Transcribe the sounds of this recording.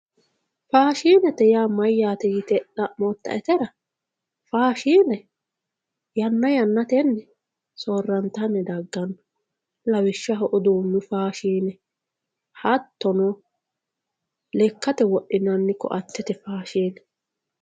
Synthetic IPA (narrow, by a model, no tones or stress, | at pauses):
faːʃiːnɛt̪ɛjaːmɐjːaːt̪ɛjɪt̪ɛᶑɐmɔt̪ːɐ̰ʔɛt̪ɛɾɐ | faːʃiːnɛ | jɐnːɐjɐnːɐt̪ɛnːɛ | soːrːɐnt̪ːɐnːɛd̪ɐɡːɐnːɔ | lɐwɪʃːɐɦɔʔɔd̪uːmːɪfaːʃiːnɛ | hɐt̪ːɔnɔ | lɛkːɐt̪ɛwɔʔɪnɐnːɪkɔ̰ʔɐt̪ːɛt̪ɛfaːʃiːnɛ